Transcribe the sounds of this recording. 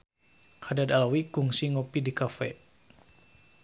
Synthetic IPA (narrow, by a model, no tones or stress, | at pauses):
hadad̪alawikuŋsiŋopidikafɛ